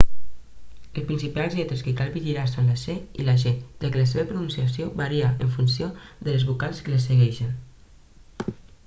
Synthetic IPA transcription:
əlpɾinsipalˠzlɛt̪ɾəskəkalˠβiʒiɾasanləseḭlaʒend̪̥əkələs̬eβəpɾunũnsiasioβaɾiaəɱfunsiod̪ələzβukalˠskələs̬əɣɛʃən

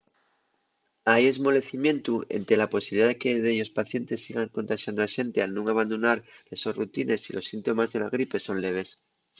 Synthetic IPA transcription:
aje̞zmo̞le̞θimjẽ̞nt̪uḛnt̪e̞lapo̞siβliðaðekeðeʎo̞spaθje̞nt̪e̞sːiɣaŋko̞nt̪aʃjand̪oaʃe̞nt̪ealnũŋaβ̞and̪onaɾlesorut̪inʔe̞silʔo̞sːint̪o̞mazðe̞la̰ɣ̞ɾipe̞so̞nle̞β̞e̞s

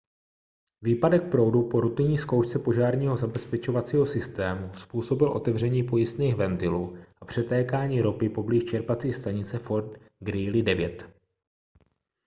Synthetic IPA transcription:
viːpadɛk̚pɾo̞wdupo̞ɾut̪ɪɲiːskowʃt͡sɛpo̞ʒaːɾɲiːɦo̞zabɛspɛt͡ʃo̞vat͡siːɦo̞sɪst̪ɛːmuspuːso̞bɪlʔo̞̰t̪ɛvr̝ɛɲiːpo̞jɪst̪niːxvɛnt̪ɪluːʔapr̝̥ɛt̪ɛːkaːɲiːɾo̞pɪpo̞bliʃt͡ʃɛɾpat͡siːxst̪aɲɪt͡sɛfo̞ɾt̪ | ɡɾiːlɪdɛvjɛt̪

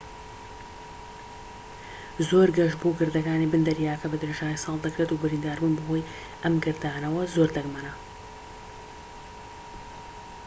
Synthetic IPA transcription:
zoːɾɡɐʃboɡɨɾd̪ɐkaːnibɨnd̪ɐɾijaːɐkɐbɐd̪ɨɾeʒaːnisɑːlˠd̪ɐkɾeːt̪uːbɨɾiːnd̪aːɾbunbɐɦoj | ʔɐmɡɨɾd̪aːnɐwɐzoɾd̪ɐɡmɐnɐ

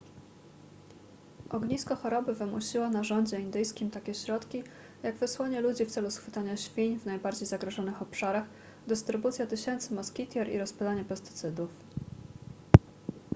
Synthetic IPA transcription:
ʔɔɡɲiskɔxɔɾɔbɘvɘmuɕiwanaʐɔɲd͡ʑɛind̪ɘjskʲimt̪akʲɛɕɾɔt̪kʲi | jaɡvɘswɔɲɛlud͡ʑift̪sɛlusxfɘt̪aɲaɕfʲiɲvnajbaɾd͡ʑejzaɡɾɔʐɔnɘxɔpʂaɾax | d̪ɘst̪ɾɘbut̪sʲjat̪ɘɕɛnt̪sɘmɔskʲit̪ʲjɛɾḭɾɔspalaɲɛpɛst̪ɘ̥t̪sɘd̪uf

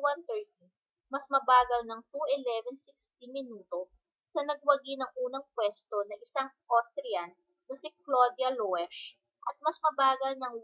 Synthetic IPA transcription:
want̪ɛɹt̪̚i | mɐsmɐbaːɡɐlnɐŋt̪uʔɪlɛvɛnsikst̪imɪnuːt̪o̞ | sɐnɐɡ̚wɐɡinɐŋʔuːnɐŋpwɛst̪o̞nɐʔɪsaŋʔost̪ɾɛjɐn | nɐsɪklod̪jɐloɛʃ | ʔɐt̪̚mɐsmɐbaːɡɐlnɐŋ

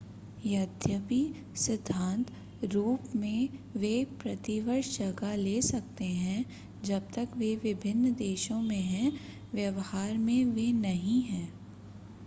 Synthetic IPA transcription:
jɐd̪ʱjəpi | sɪd̪ʱːãːnt̪ | ɾuːpmẽʋepɾɐt̪iʋəɾʃd͡ʒɐɡaleːsɐk̚t̪eɦɛ̃ | d͡ʒɐb̚t̪ɐkʋeʋɪbʱɪnːd̪eːʃõmẽɦɛ̃ | ʋjɐʋhaːɾmẽʋenɐɦĩɦɛ̃ː

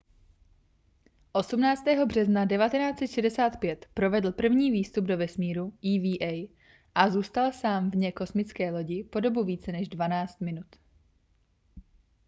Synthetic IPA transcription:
ʔo̞sumnaːt͡st̪ɛːɦo̞br̝ɛznadɛvat̪ɛnaːt͡sɛt̪ʃɛdɛsaːt̪pjɛt̪pɾo̞vɛdl̩pr̩vɲiːviːst̪ubdo̞vɛsmiːɾuʔiːviːʔɛj | ʔazuːst̪alsaːmvɲɛko̞smɪt͡skɛːlo̞ɟɪpo̞do̞buviːt͡sɛnɛʒdvanaːt͡st̪mɪnut̪

